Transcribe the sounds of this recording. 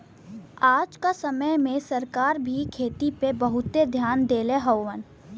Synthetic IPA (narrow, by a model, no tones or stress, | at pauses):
aːd͡ʒkasəməjmẽsəɾkaːɾbʱikʰeːt̪ipebəɦʊt̪ed̪ʱjaːnd̪eːleɦəwːən